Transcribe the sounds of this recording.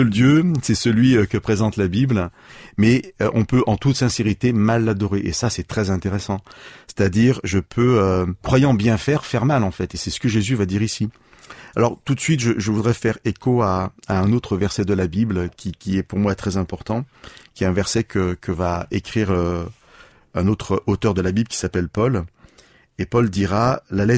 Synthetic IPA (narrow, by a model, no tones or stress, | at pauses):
əld̪jøsɛsəlɥikəpχezɑ̃t̪labibl | mɛøʔɔ̃pøʔɑ̃t̪ut̪sɛ̃seʁit̪emalːad̪ɔʁeʔesasɛt̪χɛzɛ̃t̪eʁesɑ̃se̥t̪ad̪iʁʒəpʰøøkχwajɑ̃bjɛ̃fɛʁfɛʁmalɑ̃fɛt̪esɛsə̥kəʒezyvad̪iʁisi | alɔʁt̪ut̪sɥit̪ʒəʒəvud̪ʁɛfɛʁekoaaɛ̃not̪χəvɛʁsɛd̪əlabiblkʲʰikʲiɛpuʁmwat̪χɛzɛ̃pɔʁt̪ɑ̃kʲiɛt̪ɛ̃vɛʁsɛkəkəvaekχiʁø | ɛ̃not̪χəot̪œʁd̪əlabiblkʲi̥sapɛlpɔl | epɔld̪iʁalalɛ